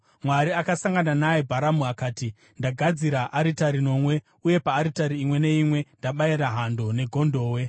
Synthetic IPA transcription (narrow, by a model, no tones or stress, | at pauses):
mwaɾiakasaŋɡananajebʱaɾamuakaːti | ndaɡʱad͡ziɾaʔaɾitaɾino̞mwe̞ | uje̞paːɾitaɾiimwe̞ne̞imwe̞ndaɓaiɾaɦandone̞ɡʱo̞ndo̞ːwe̞